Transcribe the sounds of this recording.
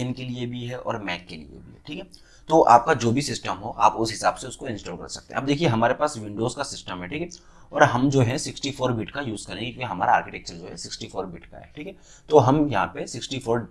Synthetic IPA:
ənkeliebʱiɦɛʔɔ̰ːɾmɛːkːelḭḛbʱiɦɛ̰ʈʰiːkɦɛ | t̪oːʔa̰ːp̚kad͡ʒoːbʱisɪsʈəmɦoʔa̰ːpʊsɦɪsaːbseʊskoɪ̃nsʈɔːɾkɐ̰ɾsɐk̚t̪ḛ̃ɦɐb̚d̪eːkʰieɦɐmaːɾepaːsʋɪ̃ɳɖoːzkasɪsʈəmɦɛʈʰiːkɦɛ | ɔːɾɦɐmd͡ʒoːɦɛsɪksʈifoːɾbɪʈkajuːzkɐɾẽɡɪeɦɐmaːɾaaːɾkɪʈɛːk̚t͡ʃəɾd͡ʒoːɦɛsɪksʈifʰoːɾbɪʈka̰ɦɛ̰ːʈʰiːkɦɛ | t̪oɦɐmjɐɦã̰pesɪksʈifʰoːɾ

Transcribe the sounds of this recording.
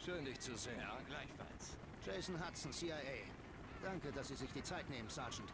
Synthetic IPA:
ʃøːndɪçt͡suzeːəɡlaɪçfa̰ls | d͡ʒ̥eɪzn̩ɦatsn̩siːaɪeɪ | d̥aŋkədasz̥iːzɪçd̥iːt͡saɪtneːmənsaɐd͡ʒn̩t

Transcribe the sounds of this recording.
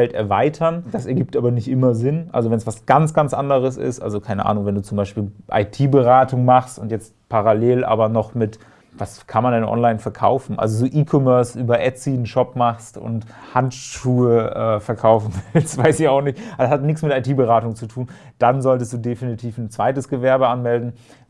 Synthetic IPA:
fɛltɛ̰ɐvaɪtʰɐnd̥asɛɐɡiːp̚tʔaːbɐnɪçtʔɪmɐzɪnʔa̰lzovɛnsv̥asɡ̥ant͡sɡ̥ant͡sʔa̰ndəʁ̞əsɪ̰stʔa̰lzokʰaɪnəʔa̰ːnʊŋvɛnduːt͡sʊmbaɪʃpiːlʔa̰ɪtʰiːbəʁaːtʊŋmaχstʊntjɛt͡stpʰaʁaleːlʔa̰ːbɐnɔχmɪt | vaskʰanmandɛnʔɔ̰nlaɪnfɛɐkʰa̰ʊfn̩ʔa̰lzozoːʔiːkʰɔmœɐsʔyːbɐʔɛt͡siːn̩ʃɔpmaχstʊ̰nthantʃuːəʔɛːfɛɐkʰaʊfn̩vɪlstv̥aɪsɪçaʊxnɪçtashatnɪksmɪtʔaɪtʰiːbəʁaːtʊŋt͡sutʰuːn | d̥anzɔltəstd̥uːdefinitʰiːfn̩t͡sv̥aɪtəsɡ̥əvɛɐbəʔanmɛldn̩

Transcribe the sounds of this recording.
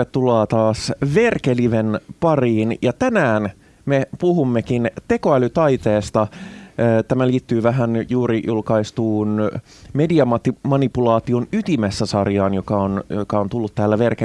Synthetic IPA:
et̪t̪ːulɑːt̪ɑːsʋe̞rkeliʋenpɑriːnjɑt̪ænæːn | mepuɦumːekint̪e̞ko̞ælyt̪ɑjt̪eːst̪ɑ | t̪æmæliːt̪ːyːʋæɦænjuːɾijulkɑist̪uːn | me̞diɑmɑt̪imɑnipulɑːt̪io̞nyt̪imesːæsɑrjɑːnjokɑonjokɑo̞nt̪ulːut̪tæːlːæʋe̞rke

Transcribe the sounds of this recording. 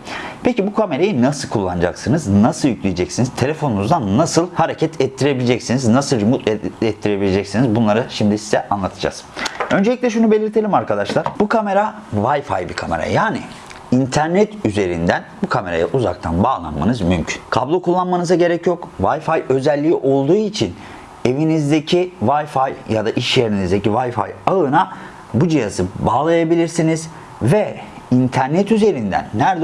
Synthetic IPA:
pʰecibukʰame̞ɾajinasɯlˠkʰulˠːanɯd͡ʒa̰ksɯnɯznasɯlˠjycʰʲlʲijed͡ʒɛcsiniz̥t̪ʰe̞lʲefo̞nunuzd̪anːasɯlˠhaɾecʰɛt̪ʰɛt̪ːiɾe̞bilʲed͡ʒɛcsiniznasɯlˠd͡ʒumut̪ɛt̪ːiɾe̞bilʲed͡ʒɛcsinizbunlˠaɾɯʃimd̪isizɛʔanlˠat̪ʰɯd͡ʒa̰zø̞nd͡ʒelʲiclʲɛʃ̬unube̞lʲiɾt̪ʰe̞lʲimaɾkʰad̪aʃlˠaɾ̥bukʰame̞ɾavajfa̰jbikʰame̞ɾa̰jaːni | int̪ʰæɾnɛt̪yze̞ɾḭnd̪ænbukʰame̞ɾa̰jaʔuza̰k̚t̪ʰanbaːlˠa̰nma̰nɯzmymcʰy̥nkʰablˠo̞kʰulˠːanmanɯzaɟe̞ɾɛcjo̞kvajfajø̞zɛlʲːiːʔo̞lˠd̪uːit͡ʃʰin | e̞vinizd̪ecʰivajfajjad̪aʔiʃjeɾinizd̪e̞civajfa̰jaɯna | bud͡ʒijazɯbaːlˠajabilʲiɾsiniz | vɛ | int̪ʰæɾnɛt̪yze̞ɾind̪æ̰nːæɾd̪

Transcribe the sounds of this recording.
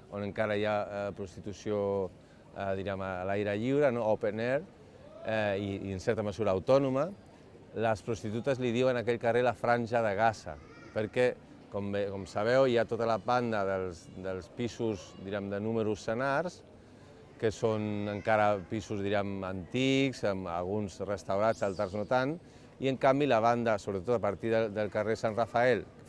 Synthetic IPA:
onəŋkaɾajapɾust̪it̪usio | ðiɾiəmalajɾəʎiwɾənoopeneɾ | iənsɛɾt̪əməzuɾaːwt̪ɔnumə | ləspɾust̪it̪ut̪əzliðiwənakɛʎkarelafɾanʲʒaðəɣ̞asa̰ | pəɾkɛ | kɔmbekɔmsaβ̞ɛwiat̪ot̪alapand̪aðəlˠsd̪əlˠspisuzd̪iɾɛmd̪ənuməɾusːənaɾs | kəsonəŋkaɾəpisuzðiɾɛmant̪ikzəma̰lɣunzrəst̪awɾad͡zalˠt̪aɾznot̪an | iəŋkambilaβ̞and̪əsoβɾət̪ot̪apaɾt̪iðəd̪əlˠkaresanrafaɛl

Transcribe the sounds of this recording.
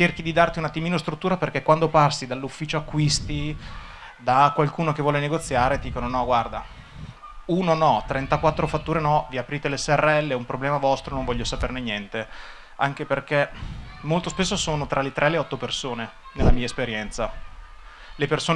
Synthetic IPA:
t͡ʃerk̟id̪id̪art̪iunat̪ːimiːnost̪ɾut̪ːuːɾaperkɛkwand̪oparsid̪alːufːiːt͡ʃoakːwist̪i | d̪akwalkuːnok̟evːwɔːleneɡot̪sːjaːɾed̪d̪iːkononɔɡward̪a | uːnonɔt̪ɾɛnt̪akwat̪ːɾofat̪ːuːɾenɔviapɾiːt̪elesɛrːeɛlːeumpɾoblɛːmavɔst̪ɾonoɱvɔʎːosapernenjɛnt̪e | aŋkeperk̟emolt̪ospes̬ːosoːnot̪ɾʔalet̪ɾʔɛleɔt̪ːopersoːne | nelːamiːaespeɾjɛnt̪sa | lepersoː

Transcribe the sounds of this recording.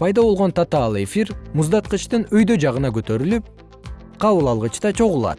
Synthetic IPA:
pʰɑjd̪ɑβo̞lˠʁot̪ɑt̪ɑːlˠɯe̞fiɾmuzd̪ɑt̪̚qɯt͡ʃt̪ɯnøjd̪ø̞d͡ʒɑʁɯnɑkø̞t̪ø̞ɾylyp̚ | qʰɑβɯlˠɑlˠʁɯt͡ʃt̪ɑt͡ʃʰo̞ʁulˠɑ̰t̪

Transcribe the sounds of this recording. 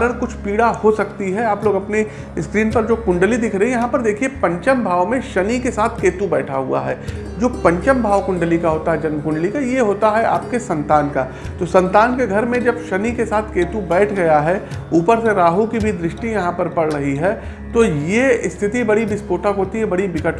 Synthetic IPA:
ɾəɽkʊt͡ʃʰpiːɽahosɐk̚t̪iɦɛaːploːɡɐpne | ɪskɾiːnpɐɾd͡ʒoːkʊ̃ɳɖəlid̪ɪkʰɾɐɦɛ̃jɐɦãpɐɾd̪eːkʰiepɐ̃ɲt͡ʃəmbʱaːʋmẽʃɐnikesaːt̪ʰkeːt̪ubɛːʈʰaɦṵa̰ɦɛ̰ː | d͡ʒoːpɐ̃ɲt͡ʃəmbʱaːʋkʊ̃ɳɖəlikaɦoːt̪aɦɛd͡ʒɐnməkʊ̃ɳɖəlikajeɦoːt̪aɦɛʔa̰ːp̚kesɐ̃nt̪aːnkaː | t̪osɐ̃nt̪aːnkeɡʱɐɾmẽd͡ʒɐbʃɐnikesaːt̪ʰkeːt̪ubɛːʈʰɡɐjaɦɛuːpəɾseɾaːɦukibʱid̪ɾɪʃʈijɐɦãpɐɾpɐɽɾɐɦiɦɛː | t̪ojeɪst̪ʰɪt̪ibɐɽibɪspoːʈəkɦoːt̪iɦɛ̃bɐɽibɪkəʈʰ

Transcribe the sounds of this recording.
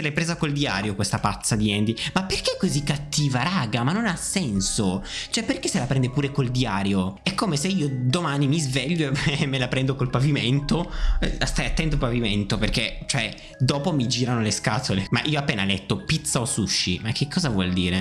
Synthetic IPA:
selepɾeːzakold̪ia̰ːɾjokwest̪apat̪sːad̪iɛnd̪imapːerkeɛkːozikːat̪ːiːvaɾaːɡamanːonasːɛnsot͡ʃoɛpːerk̟eselapɾɛnd̪epuːɾekold̪iaːɾjoɛkʰːomeseiːod̪omanimizveʎːomːelapɾɛnd̪okolpaviment̪ost̪ajat̪ːɛnt̪̬opaviment̪operket͡ʃoɛ | d̪ɔːpomid͡ʒiːɾanoleskaːt̪olema̰ʔiːoapːeːnalɛt̪ːopit̪saosuʃːḭmak̟ːekʰːɔːzavwɔ̰ld̪iːɾe

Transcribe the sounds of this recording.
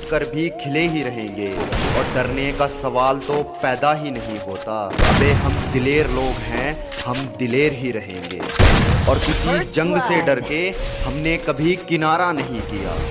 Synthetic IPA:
kəɾbʱikʰɪleɦiɾɐɦẽːŋɡeːɔːɾɖɐɾnekasɐʋaːlt̪opɛːd̪aɦinɐɦĩɦoːt̪aɐbeɦɐmd̪ɪleːɾloːɡɦɛ̃ | hɐmd̪ɪleːɾɦiɾɐɦḛ̃ːŋɡḛːɔːɾkɪsid͡ʒɐ̃ŋɡseɖɐɾkehɐmnekɐbʱikɪnaːɾanɐɦĩkija̰ː

